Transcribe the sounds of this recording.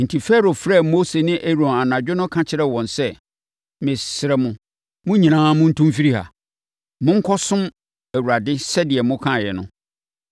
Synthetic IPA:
n̩˨tʰi˨fɛ˦ɾo˨fɾɛ˦˨mo˦se˨nɪ̃˦ʔæ˦ɾõ˨na˨nã˨d͡ʑᶣɪ˦nʊ̃˦kʰã˦t͡ɕʰɪ˦ɾɛ˦wɔ̃˨nsɛ˦˨ | mɪ̃˨sɪ˨ɾɛ˦mʊ̃˦ | mʊ̃˦ɲĩ˨nãː˦mʊ̃˦n̩˦tʰũ˦mfi˦ɾi˦ha̰˨ | mʊ̃˦ŋ̩˦kʰɔ˦sʊ̃˦m | æ˨wu˨ɾa˨dɪ˦sɛ˦dɪ˨ɛ˨mʊ̃˦kʰã˦˨jɛ˨nʊ̰̃˦

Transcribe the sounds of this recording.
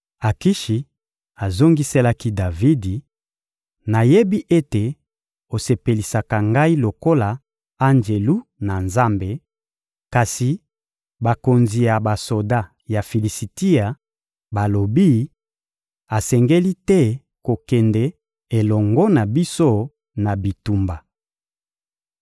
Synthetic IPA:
a˨ki˦ʃi˨ | a˨zo˦ŋɡi˦se˦la˦ki˦da˨vi˦di˨ | na˨je˦bi˦ʔe˦te˨ | o˨se˨pe˨li˨sa˨ka˨ŋɡa˦i˦lo˨ko˦la˨ | a˦nd͡ʒe˨lu˦na˨nza˦mbe˨ | ka˨si˨ | ba˨ko˨nzi˨ja˨ba˨so˨da˦ | ja˨fi˨li˨si˨ti˦a˨ | ba˨lo˨bi˦ | a˨sɛ˨ŋɡe˦li˦tɛ˦ | ko˨kɛ˨ndɛ˦ | e˨lɔ˨ŋɡɔ˦na˨bi˦so˦ | na˨bi˨tu˨mba˨

